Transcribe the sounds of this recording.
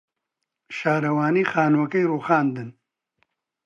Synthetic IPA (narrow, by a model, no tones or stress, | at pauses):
ʃaːɾɐwaːniːxaːnwɐkɐjruːxaːnd̪ɨn